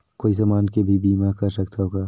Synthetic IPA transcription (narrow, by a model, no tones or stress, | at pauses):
koːizɐmaːnkebʱibiːmaːkɐɾsɐkt̪ʰaɦoːɡaː